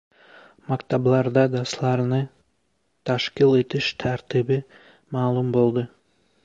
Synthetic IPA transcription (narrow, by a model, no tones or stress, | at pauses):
mɑkt̪ɑblˠɑɾd̪ɑd̪ɑslˠɑɾnɯ | t̪ʰɑʃqilˠe̞t̪iʃt̪ʰæɾt̪ibi | mɑːlˠumbo̞lˠd̪ɯ